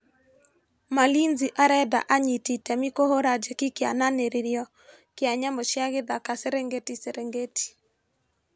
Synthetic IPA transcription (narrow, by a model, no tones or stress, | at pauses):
malinziʔaɾɛda̰ʔaɲititɛmikohoɾad͡ʒekikɪa̰naneɾiɾjɔ | kɪaɲamɔʃjaɣɪd̪akaseɾeŋɡetiseɾeŋɡeti̥